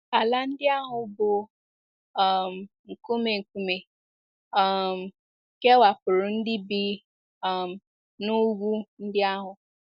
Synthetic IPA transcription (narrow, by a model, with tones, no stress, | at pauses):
a˨la˨n̩˦dɪ˦a˦ɦʊ˨bʊ˨ | m̩˨ | ŋ̩˨ku˦me˨ŋ̩˨ku˨me˨ | ɔ˨m̩˨ | ke˦wa˨pʊ˨ɾʊ˨n̩˦dɪ˦bi˨ | a˨m̩˨ | nʊ˦ɡʷu˦n̩˦dɪ˦a˦ɦʊ˨